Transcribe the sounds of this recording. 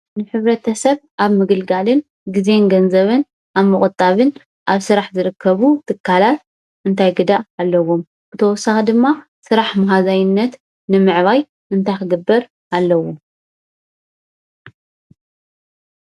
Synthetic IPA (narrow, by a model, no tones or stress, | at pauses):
nɨħɨβɾɐt̪ʰɐsɐβʔaβmɨɡɨlɡalɨn | ɡizenɡɐnzɐβɨn | ʔaβmɨkʼɨt̪ʼaβɨn | ʔaβsɨɾaħzɨɾɨkʰːɐβut̪ʰɨkʰːalat̪̚ | ʔɨnt̪ʰajɡɨd̪aʔːlːɐwom | bɨt̪ʰɐwɔsːaxɐd̪ɨmːa | sɨɾaħmɐɦazajɪnːɐt̪ː | ɨmɨʕβaj | ʔɨnt̪ʰajkɨɡɨbːɐɾ | ʔalːɐwo